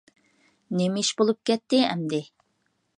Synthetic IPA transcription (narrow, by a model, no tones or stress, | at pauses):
nemɪʃbolˠup̚kʲɛt̪ːɪɛmd̪ɪ